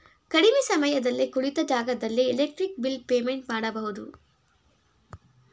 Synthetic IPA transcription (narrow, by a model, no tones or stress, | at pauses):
kɐɽimeːsɐmɐjɐd̪ɐlːikuɭit̪ɐd͡ʒaːɡɐd̪ɐlːielek̚ʈɾik̚bilpeːmeɳʈmaːɽɐbɐɦud̪u